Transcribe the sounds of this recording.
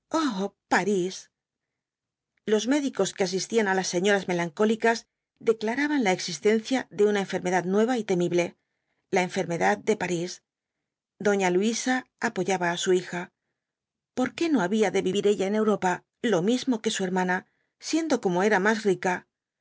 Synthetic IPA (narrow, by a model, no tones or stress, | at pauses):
opaɾis | lo̞zme̞ðiko̞ske̞as̬ist̪ianalasːe̞ɲo̞ɾazme̞laŋko̞likaz | d̪e̞klaɾaβanlae̞ksist̪e̞n̟θjaðe̞unae̞ɱfe̞ɾme̞ðaðnwe̞β̞ait̪e̞miβle̞ | lae̞ɱfe̞ɾme̞ðaðd̪e̞paɾis | d̪o̞ɲaluisaːpo̞ʝaβaːsuixa | po̞ɾke̞no̞aβiaðe̞βiβiɾe̞ʎae̞ne̞wɾo̞pa | lo̞mizmo̞ke̞sue̞ɾmãna | sje̞nd̪o̞ko̞mo̞e̞ɾamasrika